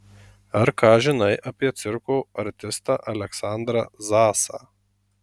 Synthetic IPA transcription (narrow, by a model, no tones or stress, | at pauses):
ɐɾkɑːʒʲɪnɐɪʔɐpʲiɛt̪sʲɪɾkoːɐɾʲt̪ʲɪst̪ɑːʔɐlʲɛksɑˑnd̪ɾɐzɑːsɑ̰ː